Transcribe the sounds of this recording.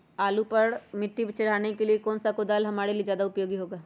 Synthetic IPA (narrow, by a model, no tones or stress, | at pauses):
aːlupɐɾmɪʈːibt͡ʃɐɽ̤aːnekeliekɔːnsakʊd̪aːlɦɐmaːɾelid͡ʒjaːd̪aʊpjoːɡiɦoːɡaː